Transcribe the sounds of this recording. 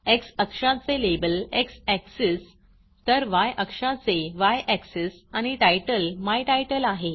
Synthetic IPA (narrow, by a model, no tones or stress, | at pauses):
eksəkʂãt͡selebəleksɛkses | t̪əɾʋajʔəkʂat͡seʋajʔɛksesañiʈajʈəlmajʈajʈəlaɦe